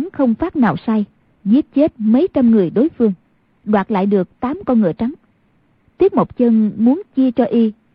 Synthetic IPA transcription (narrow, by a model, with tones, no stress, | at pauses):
ŋxə˧wŋ͡mfaː˦˥t̚na̰ː˨˩wsa˧j | zi˦˥ət̚t͡ɕe˦˥t̚mə˨˦jt͡ɕa˧mŋɨ˨˩əjɗo˨˦jfɨ˧əŋ | ɗwaː˨˩t̚la̰ː˧˨jɗɨ˨˩ək̚t̪aː˨˦mkɔ˧nŋɨ˧˩ət͡ɕa˨˦ŋ | t̪i˦˥ət̚mo˨˩k͡p̚t͡ɕə˧nmu˨˦ənt͡ɕi˧ət͡ɕɔ˧ʔi˧